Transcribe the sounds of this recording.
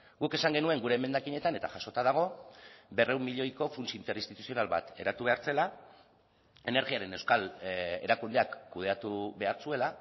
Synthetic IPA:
ɡuke̞saŋɡe̞nue̞ŋɡuɾe̞ːme̞nd̪akiɲe̞t̪ane̞t̪aʝaso̞t̪aðaɣ̞o̞be̞re̞wmːiʎo̞jko̞funt͡siint̪e̞ɾinst̪it̪usio̞nalβa̰t̪e̞̰ɾat̪uβe̞aɾt͡se̞la | e̞ne̞ɾɣiaɾe̞ne̞wskale̞̰ɾakund̪e̞akːuð̞e̞at̪uβe̞aɾt͡sue̞la

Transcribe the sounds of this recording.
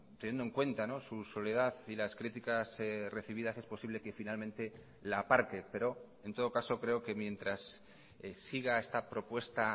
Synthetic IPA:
t̪enjend̪oe̞ŋkwe̞nt̪ano̞suso̞le̞ðaθilaskɾit̪ikasre̞θiβiðase̞spo̞siβ̞le̞ke̞finalmẽ̞nt̪e̞ | laːpaɾkepe̞ɾo̞ | e̞nt̪o̞ð̞o̞kaso̞kɾe̞o̞ke̞mjẽ̞nt̪ɾasː | iɣ̞ae̞st̪apɾo̞pwe̞st̪a

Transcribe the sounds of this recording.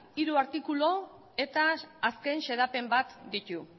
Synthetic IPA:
iɾuaɾt̪ikulo̞ | e̞t̪aːske̞nʃe̞ðape̞mbat̪d̪it̪u

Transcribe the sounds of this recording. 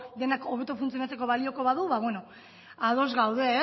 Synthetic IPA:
d̪e̞nako̞β̞e̞t̪ufunt͡sionat͡se̞ko̞βalio̞ko̞βaðuβaβwe̞no | aðo̞zɣawðe̞

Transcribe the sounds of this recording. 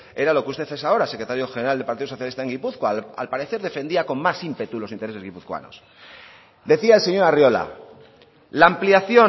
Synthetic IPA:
e̞ɾalo̞kust̪e̞θesao̞ɾase̞kɾe̞t̪aɾjo̞xeneɾald̪elpaɾt̪iðoso̞θjalist̪ae̞ŋɡipuθkoa̰lpaɾe̞θe̞ɾðe̞fe̞nd̪iako̞mmasimpe̞t̪ulo̞sint̪e̞ɾese̞zɣipuθkwa̰no̞̰s | d̪e̞θiaelse̞ɲo̞ɾarjo̞la̰ | laːmpliaθjo̞

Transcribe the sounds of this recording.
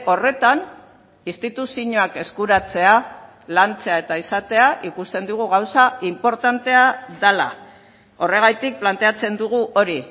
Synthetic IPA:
o̞re̞t̪an | ist̪it̪usiɲo̞ake̞skuɾat͡se̞a | lant͡se̞ae̞t̪aisat̪e̞aʔikust̪e̞nd̪uɣ̞uɣawsaimpo̞ɾt̪ant̪e̞aðala̰ | o̞re̞ɣ̞ajt̪ik̚plant̪e̞at͡se̞nd̪uɣuʔo̞ɾi

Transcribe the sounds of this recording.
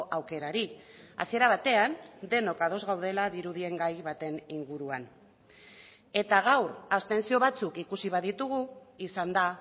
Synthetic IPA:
ʔawke̞ɾaɾia̰sie̞ɾaβ̞at̪e̞and̪e̞no̞kað̞o̞zɣawð̞e̞laðiɾuðie̞ŋɡajβat̪e̞niŋɡuɾuan | e̞t̪aɣ̞awɾast̪e̞nsio̞β̞at͡sukikusiβ̞aðit̪uɣ̞uisand̪a

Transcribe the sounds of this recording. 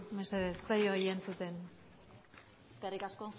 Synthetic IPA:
meseðest͡sajojent͡sut̪e̞n | eskerikasko

